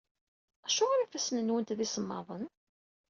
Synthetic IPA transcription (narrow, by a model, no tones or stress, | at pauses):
æʃʊʁaɾifæsnənwənt̪ðisəmːɑ̰ðˤən